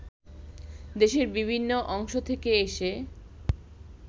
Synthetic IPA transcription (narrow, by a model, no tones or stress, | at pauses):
d̪eʃeɾbibʱinːoʔɔŋʃot̪ʰekeeʃe